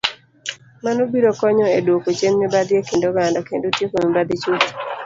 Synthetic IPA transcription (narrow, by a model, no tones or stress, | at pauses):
manobiɾokɔɲɔedwokot͡ʃemmibad̪iekendoɡandɔkendotjekomibad̪it͡ʃut